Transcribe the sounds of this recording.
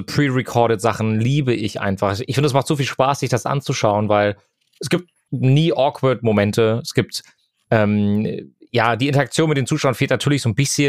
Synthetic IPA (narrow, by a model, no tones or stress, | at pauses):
pʁ̥iːʁɛkʰɔɐɾətz̥aχn̩liːbəʔɪçʔa̰ɪnfaχɪçfɪndəɛsmaχtz̥oːfiːlʃpaːsz̥ɪçd̥asʔa̰nt͡suʃaʊənvaɪl | ɛsɡ̥iːp̚t̚ | niːʔɔːkʰvəɐtmomɛntəɛsɡ̥iːp̚t | ʔɛːm | jaːd̥iːʔɪntɐakt͡sjoːnmɪtd̥eːnt͡suːʃaʊɐnfeːltnatʰyːɐlɪçz̥oːnbɪsçə